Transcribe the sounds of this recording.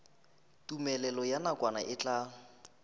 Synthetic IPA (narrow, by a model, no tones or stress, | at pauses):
tʼumɛlɛlɔjanakwana̰ʔɪt͡ɬʼa